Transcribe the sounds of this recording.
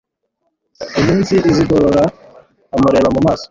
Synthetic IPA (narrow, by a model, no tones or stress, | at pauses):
imiːnsiʔːziɡoɾoɾaː | muɾeβamumaːso̥